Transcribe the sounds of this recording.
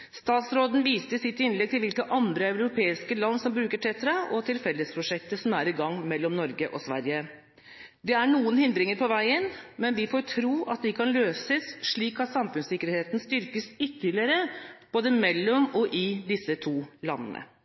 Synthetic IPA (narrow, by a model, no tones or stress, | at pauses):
st̪ɑːt̪sɾoːd̪n̩ʋiːst̪əsɪt̪ːɪnlɛɡ̚t̪ʰɪlʋɪlkəʔɑnd̪ɾəɑʉɾʊpʰeːɪskəlɑnːsɔmbɾʉːkəʈʰɛt̪ɾɑɔt̪ʰɪlfɛlːəspʰɾʊʂɛk̚t̪əsɔmæɾɪɡɑŋːmɛlːɔmnɔɾɡəʔɔsʋæ̰ɾjə | d̪ɛæɳuːənhɪnd̪ɾɪŋəɾpʰɔʋæɪənmɛnʋɪfoːɾʈʰɾuːʔɑt̪̚d̪ɪkʰɑnløːsəsʂɭiːkɑt̪sɑmfʉnsɪkːəɾheːt̪nst̪ʏɾkəsʏt̪ːəɭɪəɾəb̥oːd̪əmɛlːɔmɔʔɪd̪ɪsːət̪ʰuːlɑ̰nːə̰nə̰